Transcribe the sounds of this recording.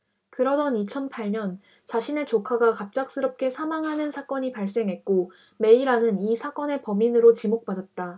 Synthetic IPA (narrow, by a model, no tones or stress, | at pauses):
kɯɾʌdʌnit͡ɕʰʌnpʰaɭɲʌn | t͡ɕaɕʰine̞t͡ɕokʰaɡakap̚t͡ɕ͈ak̚s͈ɯɾʌp̚k͈e̞sʰamaŋɦanɯnsʰak͈ʌɲipaɭs̬͈e̞ŋɦe̞t̚k͈o | me̞iɾanɯnisʰak͈ʌne̞pʌminɯɾot͡ɕimok̚p͈adat̚t͈a